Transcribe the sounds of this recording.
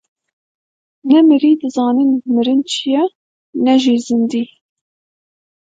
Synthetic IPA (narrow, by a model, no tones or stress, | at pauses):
nɛmɨɾiːd̪ɨzɑːninmɨɾɨnt͡ʃʰijɛ | nɛʒiːzɨnd̪iː